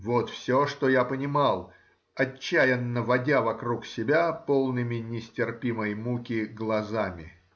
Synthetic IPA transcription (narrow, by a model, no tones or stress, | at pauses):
vot̪fsʲoʂt̪ojapənʲɪmɑlˠ | ɐt͡ɕːæjɪnːəvɐdʲavɐkɾuksʲɪbʲapolˠnɨmʲɪnʲɪsʲtʲɪrpʲiməjmukʲɪɡlˠɐzamʲɪ̰